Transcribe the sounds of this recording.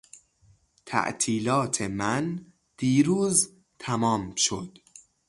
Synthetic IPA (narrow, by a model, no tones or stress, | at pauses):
t̪ʰæ̰ʔt̪ʰiːlɒːt̪ʰemæn | d̪̥iːɾuːz | t̪ʰæmɒːmʃod̪̥